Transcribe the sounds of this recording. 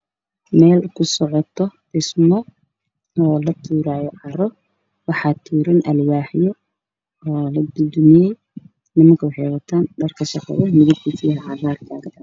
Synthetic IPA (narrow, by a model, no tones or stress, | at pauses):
mɛːlkʰʊsɔʕɔt̪ʰɔdɪsmɔ | ɔːlɐt̪ʰuːɾaːjɔʕɑɾɔ | wɑħɑːt̪ʰuːɾɐnʔɐlwaːħjɔ | ɔːlɐd̪ʊd̪ʊmɪjɛj | nɪmɐŋkʰɐwɑħɛjwɐt̪ʰaːnɖɐrkʰɐʃɑqɑ̰ðɐmɪðɪt̪ʰisijɦɐʕɑraːrk̪ʰaːɡɐdɐ